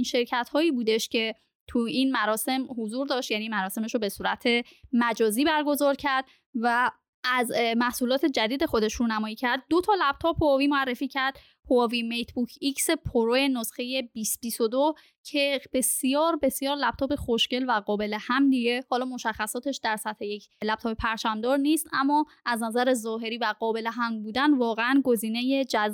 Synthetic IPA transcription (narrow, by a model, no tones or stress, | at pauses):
inʃe̞ɾcʰæt̪hɒːiːbuːd̪e̞ʃcʰe̞ | t̪ʰuinmæɾɒːse̞mhozuːɾd̪ɒːʃt̪jæniːmæɾɒːse̞meʃobe̞suːɾæt̪ʰe̞mæd͡ʒɒːziːbæɾɡo̞zɒːɾcʰæɾd̪̚ | væ | æzmæhsuːlɒːt̪ʰe̞d͡ʒæd̪iːd̪e̞xo̞d̪e̞ʃɾuːnæmɒːjiːcʰæɾd̪̚ːot̪ʰɒːlæb̥̚t̪ʰɒːpʰoːviːmoærːefiːcʰæɾd̪̥ | hoɒːviːmejt̪ʰbucʰicse̞pʰoɾoje̞nosxe̞je̞bisb̥isod̪o | cʰe̞b̥e̞sijɒːɾbe̞sijɒːɾlæb̥t̪ɒːbe̞xoʃce̞lvæɣɒːbe̞le̞hæmd̪iɟe̞hɒːlɒːmo̞ʃæxːæsɒːt̪ʰe̞ʃd̪æɾsæt̪he̞jecʰlæb̚t̪ʰɒːpepʰæɾt͡ʃʰæmd̪ɒːɾniːst̪æ̰mːɒː | ʔæznæzæɾe̞zɒːɦe̞ɾiːvæɣɒːbe̞leɦæmbuːd̪ænvɒːɣeænɡo̞ziːne̞jed͡ʒæz